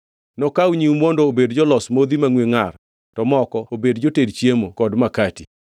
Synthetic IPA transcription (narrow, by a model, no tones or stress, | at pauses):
nɔkawɲiwmwɔndoːbedd͡ʒɔlɔsmod̪imaŋweŋar | tɔmɔkɔobedd͡ʒotedt͡ʃjemokɔdmakati